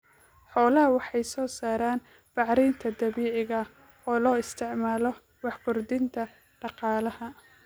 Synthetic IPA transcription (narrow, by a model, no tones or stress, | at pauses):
ħɔːlɐɦɐwɑħɑjsɔːsaːɾaːn | b̥ɑʕɾɛjnt̪ʰɐd̪ɐβiːʕɪɣɐ | ɔːlɔːɪst̪ʰɪʕmaːlɔ | wɑħɡʊrd̪ɪnt̪ʰɐ | ɖɑqɑːlɐhɐ